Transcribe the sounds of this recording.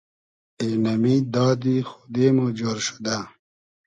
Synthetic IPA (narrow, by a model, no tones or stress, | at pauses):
enɐmid̪ɑːd̪ixu̥d̪eːmod͡ʑoɾʃu̥d̪a